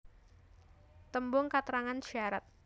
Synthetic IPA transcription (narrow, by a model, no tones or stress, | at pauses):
t̪əmbʊŋkat̪əɾaŋanʃaɾat̪̚